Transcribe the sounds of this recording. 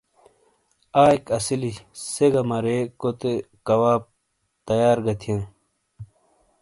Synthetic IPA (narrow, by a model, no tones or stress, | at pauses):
aːikɐsiliseɡɐmɐɾekot̪e | kɐwaːp̚ | t̪ɐjaːɾɡɐt̪ʰijɐ̃n